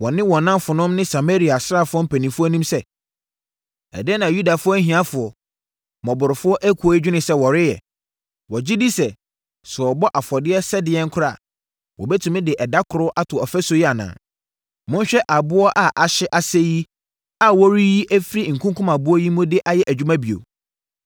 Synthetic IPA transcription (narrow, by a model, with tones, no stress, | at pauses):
wɔ̃˨nɪ̃˦wɔ̃˨nːã˦mfʊ˨nʊ̃˦mnɪ̃˦sa˨ma˦ɾi˨a˨sɾa˦˨fʊ˦ɔ˦m̩˦pʰæ˨nĩ˨fʊ˦ɔ˦nĩ˦msɛ˦ | ɛ̰˨dnã˨ju˦da˨fʊ˦ɔ˦ɦĩ˨ã˦fʊ˨ɔ˨ | mɔ̃˨bʊ˨ɾɪ˨fʊ˦ɔ˦ʔæ˦kʰɔ˨˦i˦d͡ʑᶣɪ˦nɪ̃˨sɛ˦wɔ˨ɾɪ˦jɛ̰˨ | wɔ˨d͡ʑɪ˦di˦sɛ˨ | sʊ˨ɔ˨bɔ˦ʔa˨fɔ˨dɪ˦ɛ˦sɛ˦dɪ˨ɛ˦ŋ˦kʰʊ˦ɾa̰˨ | wɔ̰˨bɛ˦tʰũ˨mɪ̃˦dɪ˨ʔɛ˨da˦kʰʊ˨ɾʊ˦ʔa˦tʰʊ˨ɔ˨fɛ˦so˨˦ji˦a˨nã̰˨ | mʊ̃˦n˦ɕᶣɛ˦ʔa˨bʊ˦ɔ˦ʔa˨ʔa˨ɕɪ˦ʔa˨sɛ˦ji˦ | a˨wɔ˦ɾi˦ji˦ʔæ˦fɾi˦˨ŋ̩˨kʰũ˦ŋkʰʊ̃˦ma˨bʊ˦ɔ˦ji˦mʊ̃˦dɪ˦ʔa˦jɛ˦ʔæ˨d͡ʑᶣu˦mã˦bi˨o̰˨